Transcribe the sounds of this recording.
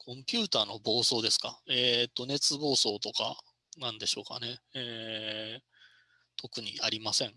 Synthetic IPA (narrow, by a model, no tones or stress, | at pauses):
kʰõ̞mpʲɯ̟ːt̪aːnobo̞ːso̞ːd̪e̞sɨ̥ka̰eːt̪ːo̞ne̞t͡sɨbo̞ːso̞ːt̪o̞ka̰ | nãnd̪e̞ɕo̞ːka̰ne̞eː | t̪ʰo̞kɯ̟ɲ̟iaɾʲimasẽ̞ŋ